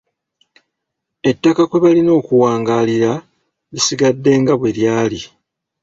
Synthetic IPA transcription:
e̞tːakakwe̞βalino̞ːkuwaːŋɡaːliɾa | lisiɡadːe̞ːŋɡaβwe̞ljaːli

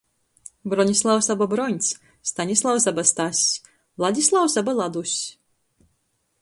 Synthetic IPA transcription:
bɾɔnʲislˠawsababɾɔnʲs | st̪anʲislˠawsabast̪asʲsʲ | lˠad̪ʲislˠawsabalˠad̪usʲ

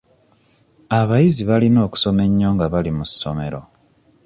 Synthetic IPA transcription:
aβajiziβalino̞ːku̥so̞me̞ɲːo̞ːŋɡaβalimusːo̞̰me̞ɾo̞̰

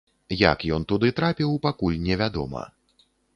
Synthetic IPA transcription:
ja̰kjɔnt̪ud̪ɨt̪ɾapʲiwpakulʲnʲɛvʲad̪ɔ̰mɐ̰

